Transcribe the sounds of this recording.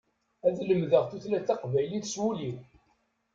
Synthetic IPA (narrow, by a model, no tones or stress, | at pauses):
æðləmðəʁθuθlæt͡sːɑqvæjliθswuliw